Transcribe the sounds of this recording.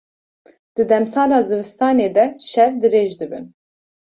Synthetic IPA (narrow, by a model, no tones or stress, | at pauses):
d̪̥ɨd̪ɛmsɑːlɑːzɨvɨst̪ɑːneːd̪ɛʃɛvd̪ɨɾeːʒd̪ɨbɨ̰n